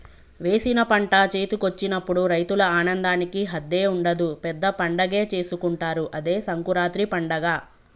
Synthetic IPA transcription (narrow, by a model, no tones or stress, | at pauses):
ʋe̞ːsinɐpɐɳʈat͡ʃeːt̪ukot͡ʃːinɐpːuɽuɾɐjt̪ulɐaːnɐnd̪aːnikiɦɐd̪ːe̞ːuɳɖɐd̪upɛd̪ːɐpɐɳɖɐɡe̞ːt͡ʃe̞ːsukuɳʈaːɾuʔɐd̪e̞ːsɐŋkuɾaːt̪ɾipɐɳɖɐɡaː